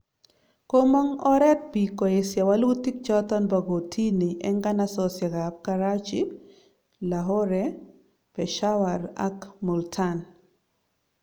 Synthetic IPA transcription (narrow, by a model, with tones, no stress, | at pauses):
ko˦mɔ˦ŋɔ˦ɾɛ˦t̚bi˨kɔ˨e˨sja˨wa˦lu˦ti˦k̚t͡ʃɔ˦tɔ˦nba˨ɡo˨tʰi˦ni˨ʔɛ˦ŋɡa˦nasɔsja˨ɡa˨p̚ka˦ɾa˦t͡ʃi˦ | la˨ɦɔ˦ɾɛ | pɛ˨ʃa˦wa˨ɾa̰˦kmu˨ltʰan